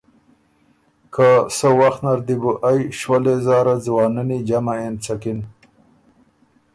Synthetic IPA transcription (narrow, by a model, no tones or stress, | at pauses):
kʰasəwaxt̪naɾd̪ibuʔajʃwalezɑːɾad͡zwɑːnənid͡ʒamaent͡sakin